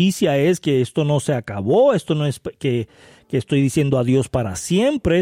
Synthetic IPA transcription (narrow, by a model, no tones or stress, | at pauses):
isjae̞ske̞est̪o̞no̞se̞akaβo̞e̞st̪o̞noeske | keːst̪o̞jðisje̞nd̪oaðjo̞spaɾa̰sje̞mpɾe